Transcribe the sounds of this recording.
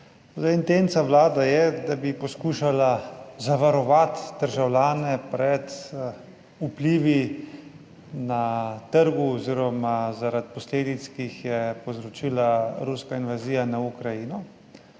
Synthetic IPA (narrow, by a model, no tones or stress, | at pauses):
zaint̪ent̪sawlaːd̪ajɛd̪abipɔskuːʃalazaʋaɾɔʋat̪d̪̥əɾʒawlʲjaːnɛpɾɛt̪ | upliːʋi | nat̪əɾɡuɔziːɾɔmazaɾat̪̚pɔsleːd̪it̪skixjɛpowzɾɔt͡ʃiːlaɾuskainʋaziːjanaukɾajinɔ